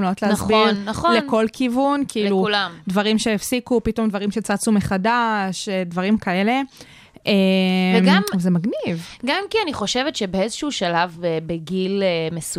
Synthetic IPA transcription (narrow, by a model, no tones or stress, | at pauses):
mlootleːsbiʁnːaχolenko̞lkʰivunkiilluulamdvaʁimʃeefsikupito̞mdvaʁimʃet͡sat͡sumeχadaʃedvaʁimkaele̞ | evemɡamvzemaɡnivɡamkianiχo̞ʃevetʃebeezoʃuuʃalavebeɡilemes